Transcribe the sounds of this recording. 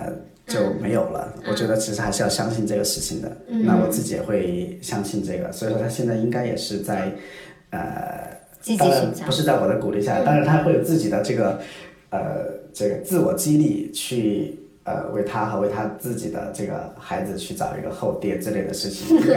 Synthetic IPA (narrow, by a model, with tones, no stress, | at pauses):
ə̰˧ | t͡ɕjo˥˩ʊme˧˥ɪjo˨˩ʊlə̰˦wɔ˨˩t͡ɕɥɛ˧˥ə˧t͡ɕʰi˧˥ʂɻ̩˥˩a˧˥ʂɻ̩˥˧jɑ˥˧ʊɕjɑ˥ŋɕi˥˧nʈ͡ʂɤ˥˩ɡə˩ʂɻ̩˥˩t͡ɕʰi˨˩ŋd̪ə̰˩na˥˩wɔ˨˩t͡sɹ̩˥˩t͡ɕi˨jɛ̰˨˩xwe˥˧ɪɕjɑ˥ŋɕi˥˧nʈ͡ʂɤ˥˩ɡə̰˩swɔ˧˥i˨˩ʂwɔ˥a˥ɕjɛ˥˧nt͡sa˥˩ɪi˥ŋka˥ɪjɛ̰˨˩ʂɻ̩˥˧t͡sa˥˧ɪ | ə̰˩ | t̪ɻa˧˥npu˧˥ʂɻ̩˥˧t͡sa˥˩ɪwɔ˨˩d̪ə˦ku˨˩li˥˧ɕja˥˩a˧˩ɑ˥ŋɻa˧nt̪ʰa˥xwe˥˩ɪjo˨˩ʊt͡sɹ̩˥˩t͡ɕi˨˩d̪ə˦ʈ͡ʂɤ˥˩ɡə˩ | ə̰˧˩ʈ͡ʂɤ˥˩ɡə˩t͡sɹ̩˥˩wɔ˨˩t͡ɕi˥li˥˧t͡ɕʰy˥˩ | ə̰˧˩wḛ˥˩ɪt̪ʰa˥xə˧we˥˩ɪt̪ʰa˥t͡sɹ̩˥˩t͡ɕi˨˩d̪ə̰˦ʈ͡ʂɤ˥˩ɡə̰˩xa˧˥ɪd͡zɹ̩˧t͡ɕʰy˥˩ʈ͡ʂɑ˨˩ʊḭ˧˥ɡə˧xo˥˧ʊt̪jɛ˥˩nʈ͡ʂɻ̩˥˧le˥˩ɪd̪ə˩ʂɻ̩˥˩t͡ɕʰḭ˨˩ŋ